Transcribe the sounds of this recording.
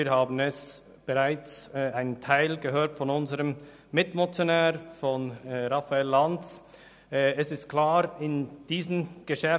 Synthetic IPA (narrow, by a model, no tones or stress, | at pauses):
iːhaːbn̩ɛs | b̥ɛʁaɪt͡sːaɪnəntʰaɪlɡəɦøːtfɔnʊnzəʁəm | mɪtmot͡sjonɛːɾfɔnɾafaɛlːantt͡sː | ɛsɪstkʰl̥aːɾɪnd̥iːzən̩ɡ̥əʃɛ